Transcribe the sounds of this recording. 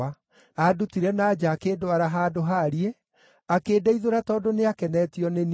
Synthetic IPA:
a | adutiɾɛnaːd͡ʒaːkedoaɾaɦaːdoɦaɾie | akeːdaiðoɾatɔːdoneakɛnɛtiɔnen

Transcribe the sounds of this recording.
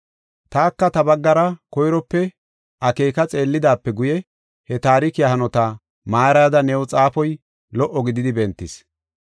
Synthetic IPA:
t̪aːkːɐt̪ɐbɐɡːɐɾɐkɔjɾɔpːɛ | ʔɐke̞ːkɐt͡sʼe̞ːlːɪd̪aːpːɛɡʊjɛ | hɛt̪aːɾɪkɪjɐɦɐnɔt̪a | maːɾɐjd̪ɐnɛwɔt͡sʼaːfɔj | lɔʔɔɡɪd̪ɪd̪ɪbɛnt̪ːɪs

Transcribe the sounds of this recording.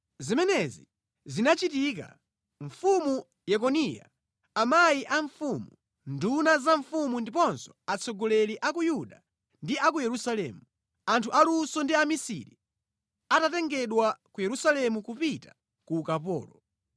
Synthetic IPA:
zimɛnɛzi | zinat͡ʃitik̬a̰ | ɱfumu | jɛk̬ɔnija̰ː | majiʔaɱfumu | ndunazaɱfumundipɔnsɔ̥at͡sʰɔɡɔlɛliʔakujuɗa | ndiakujɛɾusalɛ̰ːmu | antʰuʔalusɔndiamisḭɾḭ | atatɛŋɡɛɗwakujɛɾusalɛmukupitḁ | kuːkapɔ̰ːlɔ

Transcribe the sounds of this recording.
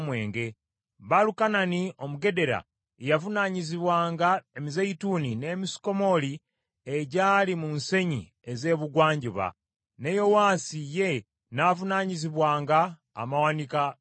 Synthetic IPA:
mwe̞ːŋɡe̞ | βalukananio̞muɡe̞de̞ɾa̰ | ejavunaɲiziβwaːŋɡae̞mizeitunine̞ːmisi̥ko̞mo̞li | eɟaːlimunse̞ɲi | eze̞ːβuɡwaːɲɟuβa̰ | nejo̞waːsije̞ | navunaɲiziβwaːŋɡa̰ː | mawanika

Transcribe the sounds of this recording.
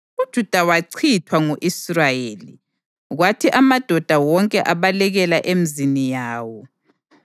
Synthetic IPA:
ud̥ʒ̥ʱud̥ʱawaǀʰitʰwaŋuʔisrajeːli | ɣwatʰiʔamad̥ʱɔd̥ʱawɔŋkʼɛʔaβalɛɣɛlaʔemizinijaːwɔ

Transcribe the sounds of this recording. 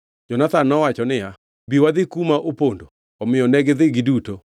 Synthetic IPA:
d͡ʒɔnat̪anːɔwat͡ʃɔnɪja | biwad̪ɪkumaʔopondo | ɔmɪjɔnɛɡɪðɪɡiduto

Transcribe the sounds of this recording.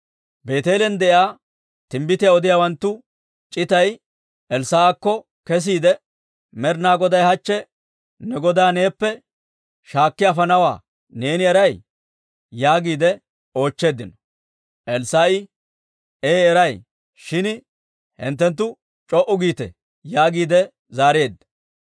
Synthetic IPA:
be̞ːt̪e̞ːlɛnd̪ɛʔɪaː | t̪ɪmbɪt̪ɪjaɔd̪ɪjaːwɐnt̪ːʊ | t͡ʃʼɪt̪ɐj | ʔɛlsaːakːɔ | kɛs̬iːd̪ɛ | mɛɾnaːɡɔd̪ɐjhɐt͡ʃːɛ | nɛɡɔd̪aːne̞ːpːɛ | ʃaːkːɪafɐnɐwa̰ː | ne̞ːnɪɛɾɐj | jaːɡiːd̪ɛ | o̞ːt͡ʃːe̞ːd̪ɪnɔ̥ | ʔɛlsaːɪ | eːɛɾɐj | ʃɪn | hɪ̰nt̪ːɛnt̪̬ːʊ | t͡ʃʼɔʔʊɡiːt̪ɛ̰ | jaːɡiːd̪ɛ | zaːɾe̞ːd̪ːɐ̥

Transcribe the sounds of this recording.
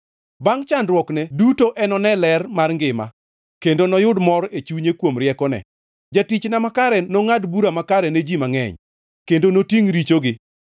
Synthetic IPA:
baŋt͡ʃandrwɔknɛdutoʔɛnɔnɛlɛrmarŋɡɪma̰ | kendonɔjʊdmɔɾet͡ʃuɲekwomɾɪɛkɔnɛ̰ | d͡ʒatit͡ʃnamakaɾɛnoŋadbuɾamakaɾɛned͡ʒimaŋɛ̰ɲ | kendonotiŋɾit͡ʃoɡɪ

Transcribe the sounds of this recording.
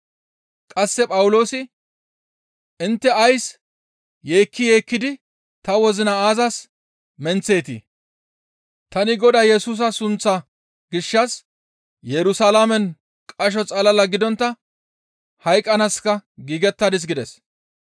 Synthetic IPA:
kʼɐsːɛpʼɐwʊlo̞ːsɪ | ʔɪnt̪ːɛɐjs | je̞ːkːɪjeːkːɪd̪ɪ | t̪ɐwɔzɪnɐaːzɐs | mɛnt͡se̞ːt̪ḭ | t̪ɐnɪɡɔd̪ɐjɛsuːs̬ɐsʊnt͡sːɐ | ɡɪʃːɐs | jɛɾʊsɐlamɛn | kʼɐʃ̬ɔt͡sʼɐlɐlɐɡɪd̪ɔnt̪ːɐ | hɐjkʼɐnɐskːɐɡiːɡɛt̪ːɐd̪ɪs̬ɡɪd̪ɛs

